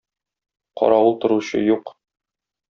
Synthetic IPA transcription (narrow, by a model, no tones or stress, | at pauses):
qɒ̰ɾɑulˠt̪ɤ̆ɾuɕɤ̰juq